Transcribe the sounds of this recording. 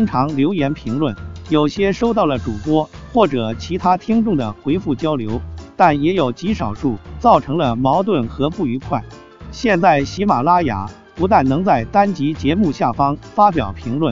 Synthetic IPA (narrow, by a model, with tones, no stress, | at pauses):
tʰi˥ŋʈ͡ʂʰɑ˧˥ŋljo˧˥ʊjɛ˧˥npʰi˧˥ŋlwə˥˩njo˨˩ʊɕjɛ˥ʂo˥ʊt̪̬ɑ˥˩lə˩ʈ͡ʂu˨˩pwɔ˥xwɔ˥˩ʈ͡ʂɤ˨˩t͡ɕʰi˧˥t̪ʰa˥t̪ʰi˥ŋʈ͡ʂʊ˥˩ŋd̪ə˩xwe˧˥ɪfu˥˩t͡ɕjɑ˥ʊljo˧˥ʊt̪a˥˩njɛ˧˥jo˨˩ʊt͡ɕi˧˥ʂɑ˨˩ʊʂu˥˩t͡sɑ˥˩ʊʈ͡ʂʰɤ˧˥ŋlə˧mɑ˧˥ʊt̪wə˥˩nxɤ˧˥fu˥˩y˧˥kʰwa˥˩ɪ | ɕjɛ˥˧nt͡sa˥˩ɪɕi˧˥ma˨˩la˥ja̰˨˩˦ | pu˧˥t̪a˥˩nnɤ˧˥ŋt͡sa˥˩ɪt̪a˥nt͡ɕi˧˥t͡ɕjɛ˧˥mu˥˧ɕja˥˩fɑ˥ŋfa˥p̬jɑ̰˨˩ʊpʰi˧˥ŋlwə˥˩n